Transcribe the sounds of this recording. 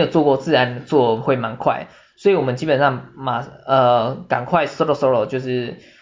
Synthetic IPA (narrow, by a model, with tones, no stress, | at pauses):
jo˨˩ʊt͡swɔ˥˧kwɔ˥˧t͡sɹ̩˥˨ɻa˧˦nd̪ə˨t͡swɔ˥˨˧xwe˥˩ɪma˧˦nkʰwa̰˥˩ɪ | swɔ˧˥i˨˩wɔ˨˩mə˦t͡ɕiː˦˥pə˨˩nʂɑ˥˩ŋma˨˩ə˧ka̰˨˩ŋkʰwa˥˧ɪsɾɔ˨˩sɔ˧˥lo˨ʊt͡ɕjo˥˧ʊʂɻ̩˥˩